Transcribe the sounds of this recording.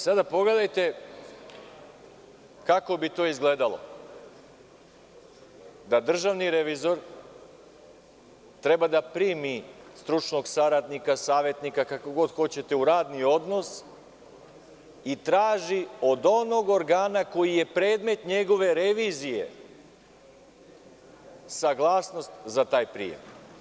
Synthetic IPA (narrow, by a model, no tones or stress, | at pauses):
sad̪apo̞ɡle̞d̪ajt̪e̞ | kako̞bit̪o̞ːizɡle̞d̪alo̞̰ | d̪ad̪r̩ʒaʋniɾe̞ʋizo̞ɾ | t̪ɾe̞bad̪apɾiːmist̪ɾut͡ʃno̞ɡsaɾad̪nikasaːʋje̞t̪nikakakoɡo̞d̪xo̞t͡ɕe̞t̪e̞uɾaːd̪nio̞d̪no̞s | it̪ɾaːʒio̞d̪o̞noɡo̞ɾɡaːnako̞jije̞pɾe̞ːd̪me̞t̪ɲe̞ɡo̞ʋe̞ɾe̞ʋiːzije̞̰ | saɡlˠaːsno̞st̪zat̪aːjpɾḭjḛm